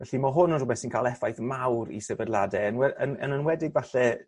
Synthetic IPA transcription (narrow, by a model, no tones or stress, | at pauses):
vɛɬimɔɦʊnənrʊbɛθsinkʰaːlˠɛfajθmawɾḭsɛvədlˠadɛənwɛənə̰nənwɛdɪɡvaɬɛ